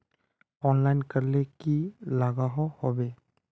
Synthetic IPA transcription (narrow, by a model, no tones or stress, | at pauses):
ɔːnlaɪnkəɾlekilaːɡaɦɔhobe